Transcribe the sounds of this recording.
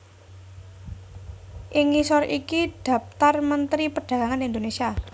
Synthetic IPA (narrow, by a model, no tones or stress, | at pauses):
ʔɪŋisɔɾʔikiɖ̪̥a̤pt̪armənt̪ɾipəɖ̥ä̤ɡaŋanind̪onesia